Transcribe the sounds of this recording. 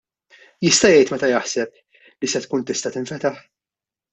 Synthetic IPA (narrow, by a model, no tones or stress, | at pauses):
jɪst̪ɐjɛjt̪mɛt̪ɐjɐħsɛp̚ | lisɛt̪kuːnt̪ɪst̪ɐt̪ɪɱfɛt̪ɐħ